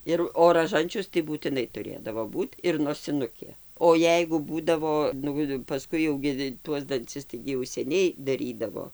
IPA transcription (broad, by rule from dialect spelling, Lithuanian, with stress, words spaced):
ˈɪr oː rɐˈʒɐnʲt͡ʃʲʊs tɐɪ buːtʲɪˈnɐɪ tʊˈrʲeːdɐʋoː ˈbuːt ɪr noːsʲɪˈnʊkʲeː oː ˈjɛɪɡʊ ˈbuːdɐʋoː ˈnʊ pɐˈskʊɪ jɛʊ ˈɡʲɪ ˈtuɔs dɐnʲˈt͡sʲɪs ˈtɐɪɡʲɪ jɛʊ sʲɛˈnʲɛɪ dɐˈrʲiːdɐʋoː